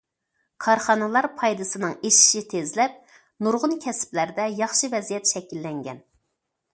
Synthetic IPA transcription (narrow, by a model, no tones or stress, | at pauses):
kʰɑɾχɑnɨlˠɑɾpʰɑjd̪ɨsɨnɨŋeʃi̥ʃit̪ʰezlɛp̚ | nuɾʁʊnkʲʰɛsɪ̥plæɾd̪ɛjɑχʃɨvɛzijɛt̪ʃɛkʲilːɛŋɡʲɛn